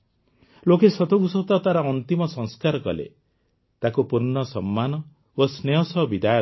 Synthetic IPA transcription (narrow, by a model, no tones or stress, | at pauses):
lokesɔt̪ɔɡusɔt̪ɔt̪aɾɔɔnt̪imɔsɔ̃ŋskaɾɔkɔ̰lḛ | t̪akupuɾnɔsɔmːanɔ | osneɔsɔɦbid̪ajɔ